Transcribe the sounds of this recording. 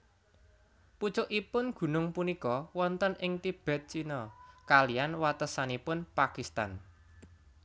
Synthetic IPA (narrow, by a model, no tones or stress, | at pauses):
put͡ʃʊʔipʊnɡ̥ṳnʊŋpunikɔwɔnt̪ənɪŋt̪ib̥ɛ̤t̪̚t͡ʃinɔkalijanwat̪əsanipʊnpakist̪a̰n